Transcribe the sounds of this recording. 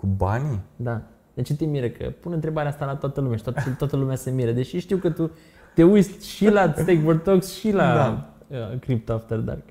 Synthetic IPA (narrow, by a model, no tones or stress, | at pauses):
kuba̰nʲd̪a | d̪̥et͡ʃet̪emiɾəkʰə̰punɨnt̪ɾe̞baɾeast̪alat̪oat̪əlumeaʃi̥t̪ot̪t̪oat̪əlumeasemiɾəd̪e̞ʃiʃt̪iwkət̪u | t̪e̞ujsʃilast̪ejkvort̪oksʃilaa | əkɾip̚t̪oft̪erd̪a̰r